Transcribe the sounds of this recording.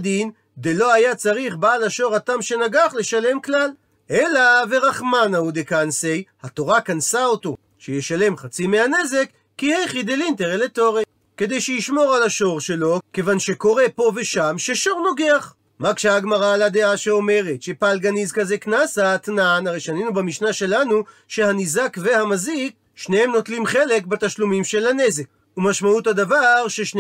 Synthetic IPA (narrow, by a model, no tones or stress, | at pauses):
d̪in | d̪elo̞ajat͡saʁiχbaːlaʃo̞ʁat̪amʃe̞naɡaχle̞ʃale̞mklal | elaveʁaχmanaud̪ekansejhat̪o̞ʁakansao̞t̪o̞ | ʃejeʃale̞mχat͡simeane̞ze̞kːihejχid̪elint̪eʁelet̪o̞ʁe | kːe̞d̪e̞jʃejiʃmo̞ʁalaʃo̞ʁʃe̞lo̞ke̞vanʃe̞ko̞ʁe̞po̞ve̞ʃamʃe̞ʃo̞ʁno̞ɡeaχ | makʃeaɡmaʁaːlad̪eaʃeo̞me̞ʁetʃepalɡanizkaze̞knasat̪nanaʁejʃaninubamiʃnaʃe̞lanuʃe̞hanizakve̞hamazik̚ | ʃnehemno̞t̪limχe̞le̞k̚bat̪aʃlumimʃe̞lane̞ze̞k̚ | umaʃmaut̪had̪avaʁʃe̞ʃn